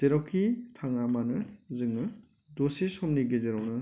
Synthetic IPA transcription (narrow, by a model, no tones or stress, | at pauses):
z̥eɾɔwkʰitʰaŋamanɯzɯŋnɯ | dosisɔmniɡezeɾɔwnɯ